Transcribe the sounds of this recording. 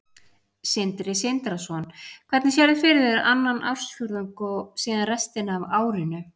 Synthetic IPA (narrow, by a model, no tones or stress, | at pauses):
sɪnt̪ɾɪsent̪ɾasɔnkʰv̥ɛɾt̪nɪsjɛɾðɪfɪɾðɛɾʔanːanʔa̰wɾ̥sfʏɾðʏŋkɔsiːðanrɛst̪ɪnavaːwɾɪnʏ